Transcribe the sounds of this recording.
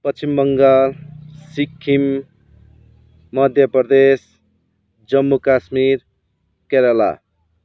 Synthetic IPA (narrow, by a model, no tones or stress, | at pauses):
pʌimbʌŋɡalsikʰːim | ʌd̪ʱjʌprʌd̪es | d͡zʌmːukasmiɾ | keɾʌla̰